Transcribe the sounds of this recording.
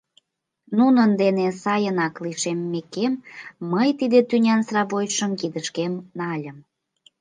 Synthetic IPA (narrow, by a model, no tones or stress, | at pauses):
nunənd̪enesɑjənɑkliʃemːekemːəjt̪id̪et̪ynʲɑnsrɑβojʃəmkid̪əʃkemnɑlʲəm